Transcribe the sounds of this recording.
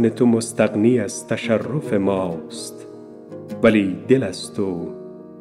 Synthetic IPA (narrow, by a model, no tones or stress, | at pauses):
net̪ʰumost̪aqniːazt̪ʰaʃarːufemɒːst̪ | væliːd̪elæzt̪ʰu